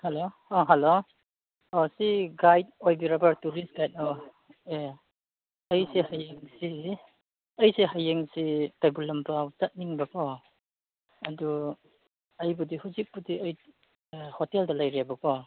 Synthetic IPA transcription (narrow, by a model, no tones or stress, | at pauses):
halo | ɔɦɐlo | ɔsiɡajt̚ojbiɾabaɾtuɾist̚ɡ̥ajt̚ɔ | e | ɐjsehajeŋsi | ɐjseɦajeŋsikajbulɐmpɾawzɐt̚niŋbɐkʰɔ | ɐdu | ɐjbudihuzik̚budiɐj | hɔteldɐlajɾiabɐkʰɔ